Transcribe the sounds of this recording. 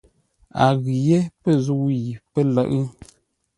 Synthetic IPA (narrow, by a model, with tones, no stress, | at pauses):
a˨ɣi˨je˦pə˦zu˦ji˨pə˦lə˦˨ʔɨ˦